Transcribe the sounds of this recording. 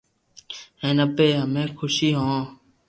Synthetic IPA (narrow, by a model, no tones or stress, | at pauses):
hẽːnəpeːɦəmẽːkʰʊʃiːɦõː